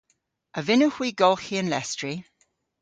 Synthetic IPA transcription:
ʔəvɪnuhwiːɡɔlˠxiənlɛ̰stɹ̥i

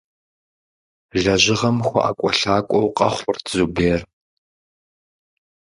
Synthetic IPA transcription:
ɮɐʑɪʁɐmxʷɔ̰ʔakʷʼɔɬaːkʷʼɔwqʼɐχʷʊrzubeːr

